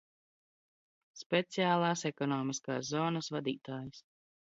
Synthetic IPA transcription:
spʲet̪sijaːlˠaːsɛkɔnɔːmiska̰ːszːɔːnɐsvad̪iːt̪aːjis

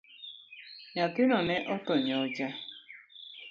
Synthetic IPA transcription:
ɲatɪnɔneʔɔtɔɲɔd͡ʒa

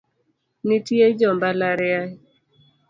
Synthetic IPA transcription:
nitied͡ʒɔmbalaɾɪa

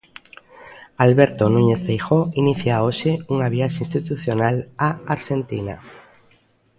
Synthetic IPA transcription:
alβeɾt̪onũɲeθfejxoiniθjaoʃeuŋaβjaʃaĩnst̪it̪uθjonalaaɾʃent̪ina̰

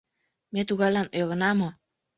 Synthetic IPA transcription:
met̪uɣɑlɑnojɣɤ̆nɑmo

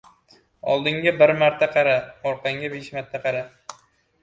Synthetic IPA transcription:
ɒ̰lˠd̪ɪŋɡʲabɪɾmaɾt̪ʰaqʰɑɾaɒɾqɑŋɡʲabeʃmat̪ʰːaqʰɑɾa

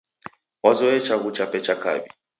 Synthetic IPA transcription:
wazɔɛt͡ʃaɣut͡ʃapɛt͡ʃaka̰bi

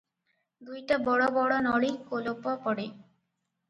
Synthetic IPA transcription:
d̪ujʈabɔɽɔbɔɽɔnɔɽikolopɔpɔɽe

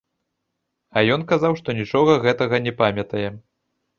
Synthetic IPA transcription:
ɐjɔnkazawʂt̪ɔnʲit͡ʂɔɣɐɣɛt̪ɐɣɐnʲɛpamʲɐt̪ɐjɛ

